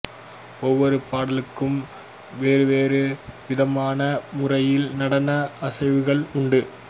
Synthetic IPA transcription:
ɔʋːɔɾɯpaːɽɐlɯkːɯm | ʋeːɾɯʋeːɾɯʋɪðɐmaːnɐmʊrɐjɪlnɐɽɐnɐʔɐsɐɪʋɯɣɐɭʊɳɖɯ

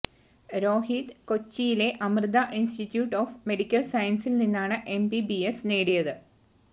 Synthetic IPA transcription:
ɾo̞ːɦid̪ko̞t͡ɕːijile̞ʔɐmrɨd̪ɐʔinstitːjuːʈːo̞ːfme̞ɽikʲːɐlsɐjɐnsilninːaːɳɨʔe̞mbibiesne̞ːɽijɐðɨ

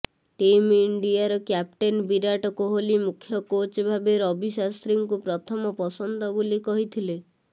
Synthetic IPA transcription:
ʈimiɳɖiaɾɔkjap̚ʈenbiɾaʈɔkuɦolimukʰjɔkot͡ʃbʱabeɾɔbʱisast̪ɾiŋkupɾɔt̪ʰɔmɔpɔsɔnd̪ɔbolikɔɦit̪ʰile

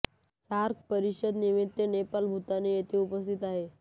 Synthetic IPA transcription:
saɾk̚pəɾiɕəd̪nimit̪ːenepalbʱut̪anejet̪ʰeupəst̪ʰit̪aɦe

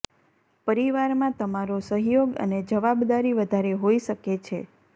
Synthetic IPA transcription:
pəɾiʋaɾmãt̪əmaɾosəɦjoɡə̰ned͡ʒəʋabd̪aɾiʋəd̪ʱaɾeɦoiʃəket͡ʃʰḛ

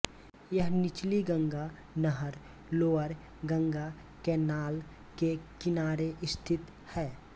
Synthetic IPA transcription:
jəɦnɪt͡ʃliɡə̃ŋɡa | nəɦəɾ | loːəɾ | ɡə̃ŋɡa | kenaːl | kekɪnaːɾeʔɪst̪ʰɪt̪ | hɛː

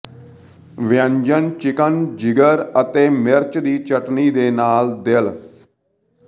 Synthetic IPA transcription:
ʋɪjə̃ɲd͡ʒənt͡ʃɪkənd͡ʒɪɡəɾət̪eːmɪɾt͡ʃd̪iːt͡ʃəʈniːd̪eːnaːld̪ɪl

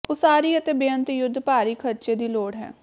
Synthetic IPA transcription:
osaːɾiːət̪eːbeə̃nt̪jʊd̪ʱːpaːɾiːkʰəɾt͡ʃeːd̪iːloːɽɦɛ̰̃ː

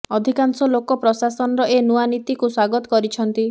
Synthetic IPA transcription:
ɔd̪ʱikansɔlokɔpɾɔsasɔnɔɾɔʔenuanit̪ikuswaɡɔt̪ɔ̥kɔɾit͡ʃʰɔnt̪i

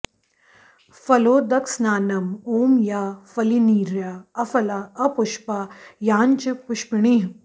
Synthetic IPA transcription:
fɐloːd̪ɐksnaːnɐmoːmjaːfɐliniːɾjaːɐfɐlaɐpʊʃpajaːnt͡ʃɪpʊʃpɪɽi

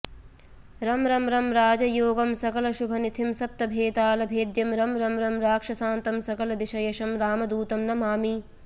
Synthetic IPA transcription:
ɾɐmɾɐmɾɐmɾaːd͡ʒɐjoːɡɐmsɐkɐlɐʃubʱɐnit̪ʰimsɐp̚t̪ɐbʱeːt̪aːlɐbʱeːd̪jɐmɾɐmɾɐmɾɐmɾaːkʂɐsaːnt̪ɐmsɐkɐlɐd̪iʃɐjɐʃɐmɾaːmɐd̪uːt̪ɐmnɐmaːmi

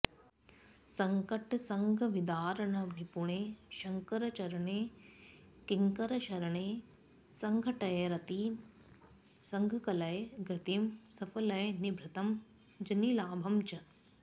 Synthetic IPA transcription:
sɐŋkɐʈsɐŋɡʱɐʋid̪aːɾɐɳɐnipuɳeːʃɐŋkɐɾɐt͡ʃɐɾɐɳeː | kiŋkɐɾɐʃɐɾɐɳeː | sɐŋɡʱɐʈɐjɐɾɐt̪iː | sɐŋɡʱɐkɐlɐjɡɾɐt̪imsɐfɐlɐjɐnibʱɾɐt̪ɐm | d͡ʒɐnilaːbʱɐmt͡ʃɐ

